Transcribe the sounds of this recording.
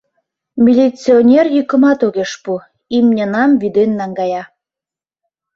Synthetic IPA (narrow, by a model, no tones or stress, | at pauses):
mʲilʲit͡sionʲerjykə̆mɑt̪oɣeʃpu | imnʲɑnɑmvid̪enːɑŋɡɑjɑ